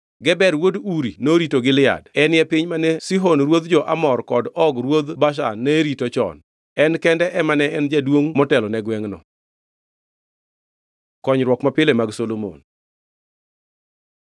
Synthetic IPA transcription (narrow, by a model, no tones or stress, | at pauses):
ɡɛbɛɾwoduɾinoɾitoɡɪlɪa̰dɛnjɛpɪɲmanesiɦonɾwod̪d͡ʒɔʔa̰mɔrkɔdɔɡɾwod̪baʃ̬a̰nːɛɾitot͡ʃɔ̰n | ɛnkɛndɛʔɛmanɛɛnd͡ʒadwoŋmɔtɛlɔnɛɡwɛŋnɔ̰ | kɔɲɾwɔkmapɪlemaɡsolomo̰n